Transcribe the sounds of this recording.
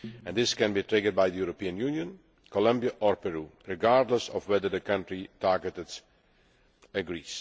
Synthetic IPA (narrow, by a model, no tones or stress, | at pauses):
ɛ̃nðɪskɛ̃nbitɹɪɡəɹd̚bajðəjuɹopiə̃njunjə̃n | kʰɔlʌ̃mbiəʔɔɹpɛɹuːɹɪɡaɹdˡləsɔvwɛðə˞ðəkʌ̃ntɹitaɹɡətɨts | ɨɡɹiːz̥